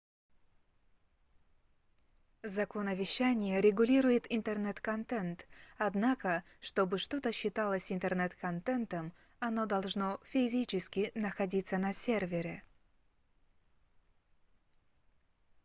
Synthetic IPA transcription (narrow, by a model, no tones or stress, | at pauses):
zɐkonəvʲɪɕːænʲɪjəɾʲɪɡʊlʲiɾʊjɪt̪ɪnt̪ərnɛt̪kɐnt̪ɛnt̪ɐd̪nakə | ʂt̪o̞bɨʂt̪o̞t̪əɕːɪt̪alˠəsʲɪnt̪ərnɛt̪kɐnt̪ɛnt̪əm | ɐno̞d̪ɐlˠʐno̞fʲɪzʲit͡ɕɪskʲɪnəxɐdʲit̪sənɐsʲervʲɪɾʲɪ